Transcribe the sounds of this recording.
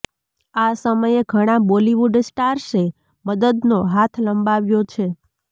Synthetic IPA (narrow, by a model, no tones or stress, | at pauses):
asəməjeɡʱəɽ̃aboliʋuɖsʈaɾse | məd̪əd̪noɦat̪ʰləmbaʋjot͡ʃʰe